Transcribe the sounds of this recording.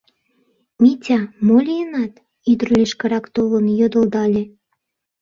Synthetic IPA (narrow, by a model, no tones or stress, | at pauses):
mʲitʲɑmolʲijənɑt̪ | yd̪rlʲeʃkəɾɑkt̪olə̆njod̪ə̆ld̪ɑlʲe